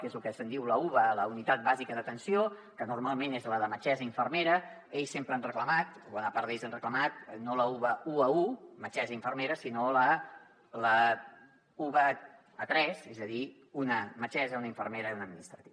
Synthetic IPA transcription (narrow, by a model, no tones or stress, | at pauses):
kezlukəsənd̪iwləuβələunit̪at̪̚bazikəðət̪ənsio | kənurmalˠmenezləðəmət͡ʃɛzəiɱfərmeɾə | eʎsempɾəanrəkləmat̪̚bɔnəpaɾd̪eʎs̬anrəkləmat̪̚noləuβəuəumət͡ʃɛzəiɱfərmeɾəsinolə | lə | uβə | ət̪ɾɛzezəði | unəmət͡ʃɛzəunəiɱfərmeɾəunəd̪minist̪ɾət̪iβ